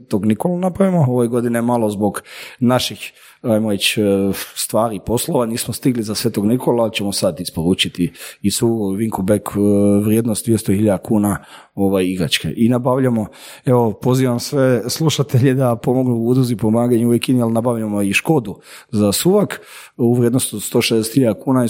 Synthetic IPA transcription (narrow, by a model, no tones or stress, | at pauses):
t̪oɡnikolanapɾaʋimooʋeɡo̞d̪inemalˠo̞zbo̞ɡnaʃix | ajmoɾe̞t͡ɕst̪ʋaːɾipo̞slˠo̞ʋaniːsmost̪iɡlizasʋet̪oɡnikʰolat͡ɕemosad̪ispoɾuːt͡ʃit̪iisuʋiŋkubekʋɾjeːd̪nost̪d̪ʋjest̪oxiʎad̪akuːna | o̞ʋajiɡɾa̰t͡ʃkḛʔinabaʋʎamo̞ | eʋopo̞ziːʋamsʋesluʃat̪eʎed̪apo̞mo̞ɡnuud̪uzipomaːɡaɲuʋjekiialnabaʋʎamoiʃko̞d̪u | zasuʋakuʋɾjed̪nost̪od̪st̪o̞ːʃed̪eset̪hiʎad̪akuːnai